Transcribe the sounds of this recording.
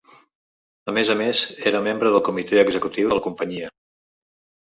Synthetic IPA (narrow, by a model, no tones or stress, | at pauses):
əmezəmezeɾəmembɾəðəlˠkumit̪eəɡzəkut̪iwðələkumpəɲiə